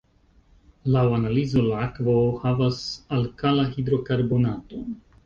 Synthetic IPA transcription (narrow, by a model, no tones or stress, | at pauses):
lawanalizo̞laakvohavasalkalaɦidɾo̞kaɾbo̞nato